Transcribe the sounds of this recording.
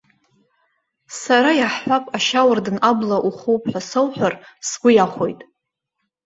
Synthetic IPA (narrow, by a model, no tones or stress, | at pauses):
saɾajaħħʷapʼaʃawardɨnablaʔuχuwpʼʰħʷᶣasowħʷᶣarsɡʷʊjaχʷo̞jtʼ